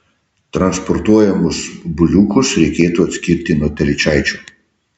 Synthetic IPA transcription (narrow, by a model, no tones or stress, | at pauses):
t̪ɾɐnspɔɾt̪uɔjɛmʊsbʊlʲuːkʊsɾʲɛɪkʲeːt̪uːɐt̪ʲsʲkʲɪɾʲt̪ʲɪnuɔt̪ʲɐlʲɪt͡ʃʲæɪt͡ʃʲuː